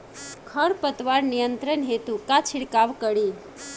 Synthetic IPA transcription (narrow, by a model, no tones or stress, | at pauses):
kʰəɽpət̪ʋaɾnijənt̪ɾənɦet̪ukat͡ʃʰiɽkaʋkəɽi